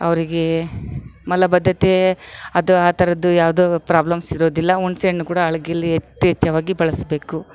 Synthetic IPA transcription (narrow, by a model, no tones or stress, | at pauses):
ɐ̰ʋɐɾiɡe | mɐlɐbɐd̪ʱːɐt̪eɐd̪uaːt̪ɐɾɐd̪ujaːʋd̪oːpɾaːblɐmsiɾo̞ːd̪ilːɐoɳseɳnukuːɽɐːɭɐɡejɐlːiet̪ːiɛt͡ʃːɐʋaːɡibɐɭɐsbe̞ːku